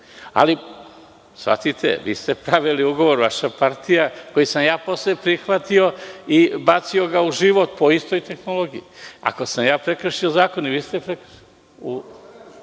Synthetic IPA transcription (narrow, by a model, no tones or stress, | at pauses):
a̰li | sʋa̰t̪it̪ʰḛʋḭːst̪epɾaʋiliuɡo̞ʋo̞ɾʋaʃapaɾt̪ijako̞jisamjaːpo̞slepɾixʋat̪io̞ibat̪sio̞ɡauʒiʋot̪̚po̞ist̪o̞jt̪e̞xnolo̞ɡijḭa̰ko̞samjaːpɾekɾr̩ʃiozaːko̞niʋiːst̪epɾek | u